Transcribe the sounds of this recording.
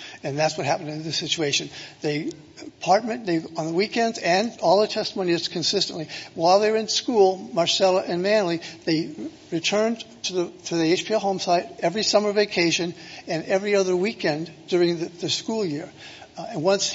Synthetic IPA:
ɨ̃nðætswʌt̚ɦæpndɨ̃nðɨsɪt͡ʃueɪʃɨ̃nðe | pʰɑɹt̚mɨ̃nðeɪə̃nðəwikɛ̃ndzɨ̃nɔlˠðətʰɛstəmõʊ̃niɨz̥kʰɨ̃nsɪstɨ̃nʔliwaɪlˠðəə˞ɨ̃nskulˠmɑɹsɛlˠəʔɨ̃nmæ̃nliðeɪ | ɹɨtʰɜ̃˞ntʰɨðtʰɨðieɪt͡ʃpʰiɛɦõʊ̃msaɪɾɛvɹisʌmə˞veɪkʰeɪʃɨ̃nɨ̃nɛvɹiʌðə˞wikɛ̃nd̥ʊɹɪ̃ŋðɨðɨskulˠjɪɹɨ̃nwʌ̃ns

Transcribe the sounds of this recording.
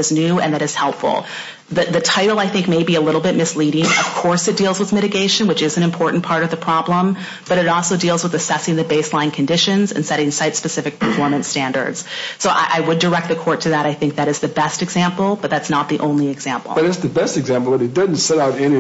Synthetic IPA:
ɨznʉɨ̰̃nðɨɾɨz̥hɛlˠpfl̩ˠ | ðɨðɨtʰaɪɾl̩ˠaɪθɪ̃ŋk̚meɪbiɨlɪɾl̩ˠbɪt̚mɨsliɾɪ̃ŋʌv̥kʰɔɹsɨt̚d̥ilˠzwəðmɪɾɨɡeɪʃɨ̃nwət͡ʃɨzɨ̃nɨ̃mpʰɔɹʔn̩pʰɑɹɾʌvðəpʰɹ̥ɑblə̃m | b̥ʌɾɨɾɔlˠsoʊdilˠzwəðɨsɛsɪ̃ŋðɨbeɪslãɪ̃nkʰɨ̃n̩dɪʃɨ̃nzɨ̰̃nsɛɾɪ̃ŋsaɪtspɨsɪfɨk̚pʰəfɔɹmɨ̃ntstæ̃ndə̰˞d̥z̥soʊʔa̰ɪʔaɪwədə˞ɛk̚t̪̚ðɨkʰɔɹtʰɨðɨɾaɪθɪ̃ŋk̚ðɨɾɨzðɨbɛstɨɡzæ̃mpl̩ˠb̥ʌt̪̚ðætsnət̪̚ðiʔõʊ̃nliɨɡz̥æ̃mpl̩ˠʌɾɨtsðɨbɛstɨɡzæ̃mpl̩ˠbəɾɨdɪdⁿn̩tsɛɾaʊɾɛni

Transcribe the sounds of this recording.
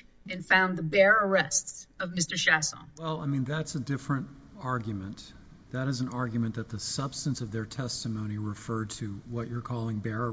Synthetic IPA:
ɨ̃nfãʊ̃nðəbɛɹə˞ɛstsʌvmɪstə˞ʃæswɛlˠaɪmĩnðætsɨdɪfɹɨ̃nt | ɑɹɡjɨmɨ̃n | ðɨɾɨz̃n̩ɑɹɡjɨmɨ̃nðɨt̪̚ðɨsʌb̥stɨ̃nsʌvðə˞tʰɛstɨmõʊ̃ñiɹɨfɜ˞d̚tʰɨwʌt͡ʃə˞kʰɔlˠɪ̃ŋbɛɹə

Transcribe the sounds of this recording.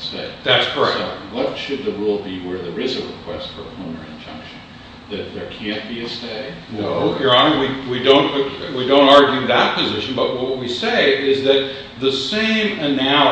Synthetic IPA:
steɪtðætskʰə˞ɛ̰wʌtʃɨd̪̚ðɨɹulˠbiwə˞ðə˞ɪzɨɹɨkʰw̥ɛstfə˞pʰl̥ũmə̰˞ɨ̰̃nd͡ʒʌ̰̃ŋkʃɨ̃n | ðɨt̪̚ðə˞kʰæ̃nb̥iɨsteɪdnoʊjə˞ɑnəwiwidõʊ̃nʔwidõʊ̃ntɑɹɡjʉðət̚pʰɨzɪʃɨ̃n̩bʌt̚wʌt̚wiseɪʔɪzðɨt̪̚ | ðɨsẽɪ̃mɨnæ

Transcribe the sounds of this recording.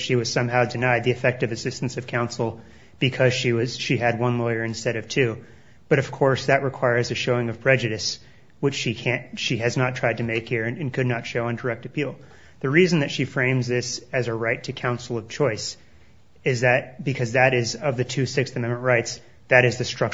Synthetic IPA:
ʃiwʌz̥sʌ̃mɦaʊdɨnaɪd̪̚ðiɨfɛk̚tʌvɨsɪstn̩sʌv̥kʰãʊ̃nsl̩ˠ | b̥ɨkʰʌz̥ʃiwʌz̥ʃiɨd̚wʌ̃nlɔɪə˞ɨ̃nstɛɾʌv̥tʰʉ | b̥ʌɾʌv̥kʰɔɹsðɨʔ̚ɹɨkʰw̥aɪə˞zɨʃoʊɪ̃ŋʌv̥pʰɹ̥ɛd͡ʒɨɾɨs | wɨt͡ʃʃikʰæ̃nʃiɨznətʰɹ̥aɪd̚tʰɨmeɪkhiɹɨ̃nɨ̃nkʰɨdⁿnətʃoʊə̃ndə˞ɛk̚tɨpʰilˠ | ðɨɹizɨ̃n̩ðɨtʃifɹẽɪ̃mzðɪsɨzəɹaɪtʰɨkʰãʊ̃nsl̩ˠʌv̥t͡ʃʰɔɪs | ɪzðɨt̚b̥ɨkʰʌzðɨɾɪzʌvðɨtʰʉsɪksθɨmɛ̃nmɨ̃nʔɹaɪts | ðɨɾɨzðɨstɹ̥ʌk

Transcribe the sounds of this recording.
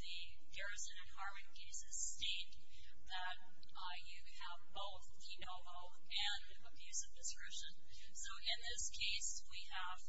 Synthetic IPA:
ðɨ | ɡ̥ɛɹɨsɨ̃nɨ̃nhɑɹvɨ̃n̚ɡeɪzɨz̥steɪt̪̚ | ðɨt̚ | jɨ | əvboʊθkʰinoʊvl̩ˠ | ɨ̃n | əbjʉzʌvdɨskɹ̥ɛʃɨ̃n | soʊʔɪ̃nðɪskʰeɪs | wi | əv̥

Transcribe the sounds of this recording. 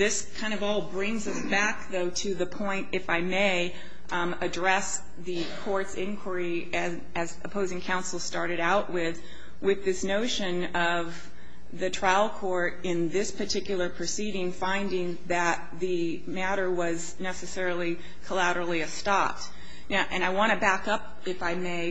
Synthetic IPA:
ðɪskʰãɪ̃ndʌvɔlˠbɹɪ̃ŋzʌsb̥æk̚ðoʊɾɨðɨpʰɔ̃ɪ̃ntɨfaɪmeɪ | ɨdɹɛs | ðɨ | kʰɔɹtsɪ̃nkʰw̥ə˞i | ɨ | ɨzɨpʰoʊzɪ̃ŋkʰãʊ̃nsl̩ˠstɑɹɾɨɾaʊʔwɪð̥ | wɨðɪsnoʊʃɨ̃n | ʌv | ðɨtʰɹ̥aɪl̩ˠkʰɔɹɾɪ̃nðɪspʰə˞tʰɪkjl̩ˠə˞pʰɹ̥ɨsiɾɪ̃ŋfãɪ̃ndɪ̃ŋðɨt̪̚ðɨ | mæɾə˞wʌz | nɛsɨsɛɹl̩ˠi | kʰəlæɾə˞l̩ˠiɨstɑp̚t | ʔɨ̃ɾ̃aɪwɑ̃ɾ̃ɨbækʌp | ɨfaɪmeɪ

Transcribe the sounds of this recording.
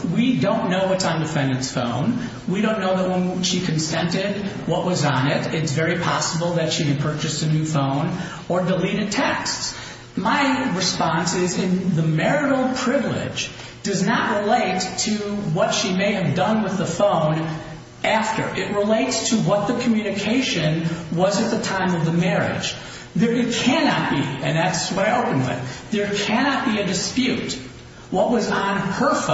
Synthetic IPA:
widõʊ̃nːoʊwʌtsn̩dɨfɛ̃ndɨ̃ntsfõ̰ʊ̃n | wiɾõʊ̃nːoʊðəʔ̚wə̃nʃikʰɨ̃n̩sɛ̃ntɪd̚ | wʌʔwʌzn̩ɪɾɪtsvɛɹipʰɑsəbl̩ˠðɨtʃikɨ̃npʰɜ˞t͡ʃɨsɨnʉfõʊ̃n | ə˞dəliɾɨd̚tʰɛksts | maɪɹɨspɑ̃nsɪzɪ̃nðəmɛɹɨɾl̩ˠpʰɹ̥ɪvlɪ̰̥d͡ʒd̥ʌznəʔ̚ɹɪleɪtʰɨwʌtʃimeɪɨvdʌ̃nwɨðəfõʊ̃n | ʔæftə̰˞ʔɨʔ̚ɹəleɪtstʰəwʌt̪̚ðɨkʰmjʉnɨkʰeɪʃɨ̃nwʌzɨt̪̚ðɨtʰãɪ̃mʌvðɨmɛɹɪ̰d̥d͡ʒ̥ | ðə˞ɨt̚kʰænɑt̚b̥ḭɨ̃nðætswʌɾaɪoʊpɨ̃nwɪ̰θðə˞kʰænɑt̚b̥iɨdɨspjʉt̚ | wʌʔ̚wʌzn̩hə˞f

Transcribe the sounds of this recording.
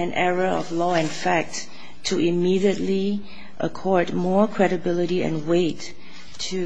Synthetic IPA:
ɨ̃nʔɛɹəɔ̰vlɔɛ̃nfæk̚tʰː | uʔɪmiɾiətli | ʔəkʰɔɹd̚mɔɹkʰɹ̥ɛɾəbɪləɾiɛ̰̃nweɪtʰː | u

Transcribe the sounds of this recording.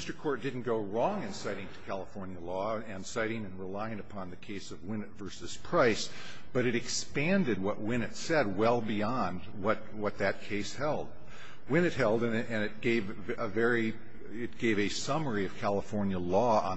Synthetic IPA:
stə˞kʰɔɹt̚d̥ɪdⁿn̩ɡ̥oʊɹɔ̃ŋɨ̃nsaɪɾɪ̃ŋtʰɨ̥kʰælˠəfɔɹnjɨlɔɨ̃nsaɪɾɪ̃ŋɨ̃nɹəlaɪɪ̃ŋɨpʰɑ̃nðɨkʰeɪsʌvwɪ̃nɨtvɜ˞sɨz̥pʰɹ̥aɪs | b̥ʌɾɨɾɨkspæ̃ndɨd̚wʌʔ̚wɪ̃nɨtsɛd̚wɛlˠbiɑ̃nd | wʌt̚wʌt̪̚ðɨt̚kʰeɪshɛlˠd̚ | wɪ̃ñɨt̚ɦɛlˠdɨ̃nɨ̃nɨt̚ɡ̥eɪv | əvɛɹi | ɪt̚ɡ̥eɪvɨsʌmə˞iʌv̥kʰælˠəfɔɹnjəlɔə̰̃

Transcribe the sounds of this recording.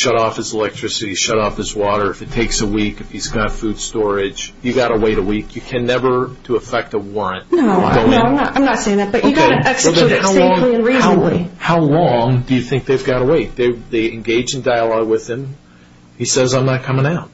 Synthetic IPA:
ʃʌɾɔfɨzəlɛk̚tʰɹ̥ɪsɨɾiʃʌɾɔfɨzwɔɾə˞ɨfɨtʰeɪksəwikɨfhizɡɑtfʉd̥stɔɹɪ̥d͡ʒjɨɡɑɾəweɪɾəwikjɨkʰɨ̃nɛvə˞ɾəːfɛk̚təwɔɹɨ̃ntnoʊa̰ɡoʊnoãɪ̃mnəɾã̰ɪ̃mnətseɪɪ̃ŋðæt̚b̥ʌt͡ʃɨɡɛksˠɪ̃haʊɔ̃ŋliɨ̃nɹihʊlḭhaʊlɔ̃ŋdɨjɨθɪ̃ŋk̚ðeɪvɡɑɾəweɪt̪̚ðeɪðiɨ̃nɡeɪd͡ʒɨ̃ndaɪəlɔɡwɪð̥ɨ̃m | hisɛzãɪ̃mnɨt̚kʰʌ̃mɪ̃ŋaʊt̚

